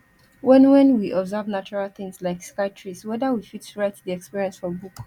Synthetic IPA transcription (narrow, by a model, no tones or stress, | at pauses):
wɛ̃nwɛ̃nwiʔɔbzavnat͡ʃɔɹalθɪ̃ŋslaɪkskaɪtʰɹiswɛðawifittʰuɹaɪtdiɛkspiɹiɛ̃nsfɔbuk